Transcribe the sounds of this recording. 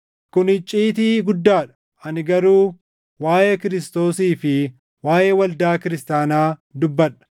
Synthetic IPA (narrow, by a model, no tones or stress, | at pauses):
kʊnhɪt͡ʃʼːiːt̪̬iːɡʊd̪ːaːᶑɐ̥ | ɐnɪɡɐɾuː | waːjeːkɪɾɪst̪o̞ːsiːfɪ | waːje̞ːwɐld̪aːkɪɾɪst̪aːnaːd̪ʊbːɐᶑɐ̥